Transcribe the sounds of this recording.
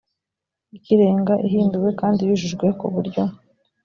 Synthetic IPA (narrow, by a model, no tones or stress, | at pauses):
ikiɾe̞ːŋɡaʔiɦiːmbiwe̞kaːndijiʒuʒɡwe̞kuβuɾɟo̞